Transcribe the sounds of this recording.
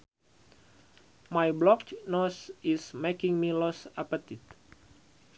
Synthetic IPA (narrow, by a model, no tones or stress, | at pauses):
majblɔknɔsismekĩŋmilɔsapət̪it̪̚